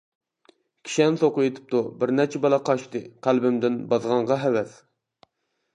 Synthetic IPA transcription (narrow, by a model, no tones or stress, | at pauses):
kʲʰi̥ʃɛnsoqʊjet̪ʰɪ̥p̚t̪ubɪɾnɛɾt͡ʃʰɛbɑlˠɑqʰɑʃt̪ɨqʰælbɪmd̪ɪnbɑzʁɑɴʁɑɦɛwɛs